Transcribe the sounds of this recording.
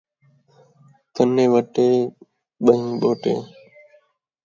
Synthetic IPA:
t̪ənːẽːʋəʈeː | ɓəɦĩːɓoːʈḛː

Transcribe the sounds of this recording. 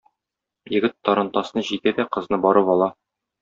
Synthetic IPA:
jɘ̆ɡɘt̪ːɒɾɤ̆nt̪ɑsnɤʑit̪æd̪æqɤ̆znɤbɒɾɤpɒlˠɑ

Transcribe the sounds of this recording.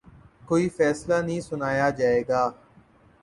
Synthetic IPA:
koːifɛːslanəɦĩːsʊnaːjad͡ʒaːeːɡaː

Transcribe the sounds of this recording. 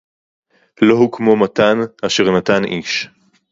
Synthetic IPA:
lo̞ɦukmo̞matanaʃeʁnat̪aniʃ

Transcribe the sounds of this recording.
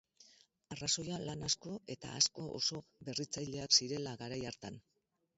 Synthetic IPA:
araso̞jalanasko̞e̞t̪a̰a̰sko̞ʔo̰so̞βe̞rit͡sajʎe̞aksiɾe̞laɣaɾajaɾt̪an

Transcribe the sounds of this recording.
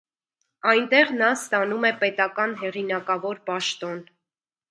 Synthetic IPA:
ɑjnt̪ɛʁnɑst̪ɑnumɛpɛt̪ɑkɑnɦɛʁinɑkɑvɔɾpɑʃt̪ɔn

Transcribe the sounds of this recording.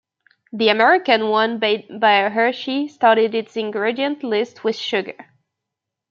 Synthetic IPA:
ðiɨmɛɹɪkɨ̃nwʌ̃nbet̚baɪɦə˞ʃistɑɹɾiɾɨtsɨ̃nɡɹɪɾiɨ̃ntlɪst̚ʰwɪð̥ʃʊɡə̰˞

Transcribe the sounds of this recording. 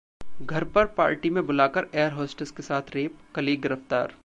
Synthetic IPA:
ɡʱɐɾpɐɾpa̰ːɾʈimẽbʊlaːkəɾeːəɾɦoːsʈəskesaːt̪ʰɾeːp̚kɐliːɡɪɾəft̪a̰ːɾ

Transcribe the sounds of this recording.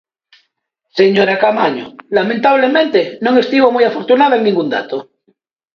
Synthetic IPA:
seɲoɾakamaɲo̰lamẽnt̪aβ̞lemẽnt̪enõŋest̪iβomujafoɾt̪unaðoeŋnĩŋɡund̪a̰t̪o

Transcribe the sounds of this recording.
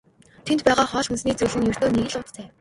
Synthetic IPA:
t̪ʰent̪̚pæːʁaːχɔːɮxɵnsniːt͡suɮɘ̆ŋjɵr̥t̪oːneɣɘ̆ɮʊt̪t̪ʰæː

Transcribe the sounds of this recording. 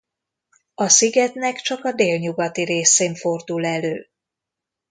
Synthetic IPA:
ɒsiɡɛt̪nɛkt͡ʃɒkɒd̪eːlɲuɡɒt̪iɾeːseːɱfo̞rd̪ulɛløː

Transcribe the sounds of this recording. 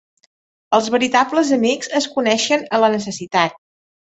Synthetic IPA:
əlˠzβəɾit̪abləzəmikz̥əskunɛʃənələnəs̬əsit̪at̪̚

